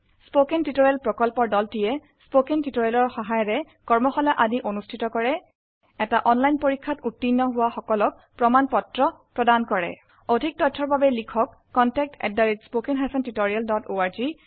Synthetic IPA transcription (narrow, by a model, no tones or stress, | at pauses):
spokentitoɹialpɹɔkɔlpɔɹdɔltijɛ | spokentitoɹijalɔɹxɔɦajɔɹɛ | kɔɹmɔxɔlaʔadiʔonustʰitɔkɔɹɛ | ɛtaʔɔnlajnpoɹikʰːatutːinːɔɦʊwaxɔkɔlɔk̚pɹɔmanpɔtɹɔpɹɔdankɔɹɛ̰ | odʱik̚tɔtʰːɔɹbabɛlikʰɔkːɔntɛk̚tʰɛ̰dːaɹitspokɛnɦasɔntitoɹialdɔtoaɹzi